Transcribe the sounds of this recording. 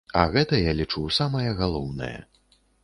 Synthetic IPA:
ɐ̰ɣɛt̪ɐjalʲit͡ʂuwsamɐjɐɣalˠɔwnɐ̰jɐ̰

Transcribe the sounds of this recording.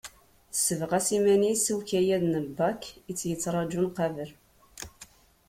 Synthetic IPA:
səvʁæsimænisuwçæjæðnəbːɑkːit͡sːjət͡sːɾˤɑd͡ʒunqævəl

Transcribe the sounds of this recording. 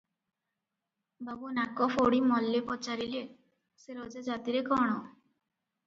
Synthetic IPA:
babunakɔfoɽimɔlːepɔt͡ʃaɾile | seɾɔd͡ʒad͡ʒat̪iɾekɔɽ̃ɔ

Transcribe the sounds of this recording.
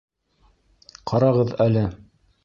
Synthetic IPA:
qʰɑɾɑʁɤðælɘ

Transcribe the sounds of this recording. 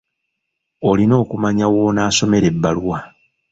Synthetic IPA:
o̞lino̞ːkumaɲawonaːso̞me̞ɾe̞bːaluwa

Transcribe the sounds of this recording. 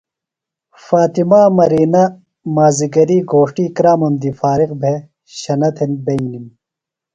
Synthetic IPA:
faːt̪imaːmɐɾiːnɐ | maːziɡɐɾiɡoːʂʈiːkɾaːmɐnd̪ifaːɾiqbʱe | ɕɐnɐt̪ʰenbɐinim

